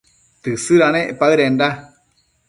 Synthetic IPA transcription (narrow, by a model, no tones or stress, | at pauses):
t̪ɨsɨɾaneʔpaɯɾeɳɖa